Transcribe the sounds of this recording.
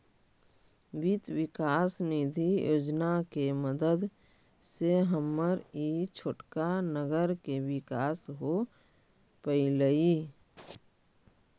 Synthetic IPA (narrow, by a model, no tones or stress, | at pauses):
ʋit̪wɪkaːsnid̪ʱijoːd͡ʒnakeməd̪əd̪ | seɦəmːəɾit͡ʃʰoʈkanəɡəɾkewɪkaːsɦo | pəiləiː